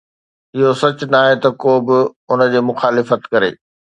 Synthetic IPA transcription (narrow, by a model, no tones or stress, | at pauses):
ɪɦosɐt͡ɕʊnaːɦet̪ɐkoːbɪʊnə̆d͡ʑeːmʊxaːlɪfət̪kɐɾḛː